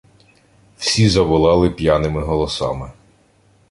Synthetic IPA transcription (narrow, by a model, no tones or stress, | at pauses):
w̥sʲizɐʋʊlˠɑlˠɪpʲjanɪmɪɦɔlˠɔsɑ̰mɪ